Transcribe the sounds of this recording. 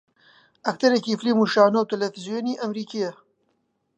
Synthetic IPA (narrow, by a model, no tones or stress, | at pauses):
ɐk̚t̪ɐɾɐkiflimuʃaːnowt̪elɐfizijoniʔɐmɾiːkijɐ